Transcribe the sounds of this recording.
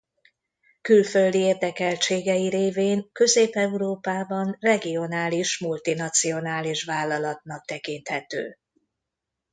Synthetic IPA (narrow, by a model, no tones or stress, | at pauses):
kylfø̞ld̪ieːrd̪ɛkɛlt͡ʃeːɡɛjiɾeːveːŋkø̞zeːpɛuɾoːpaːbɒnrɛɡio̞naːliʃmult̪inɒt̪sio̞naːliʃvaːlːɒlɒt̪̚nɒk̚t̪ɛkint̪hɛt̪ø̰ː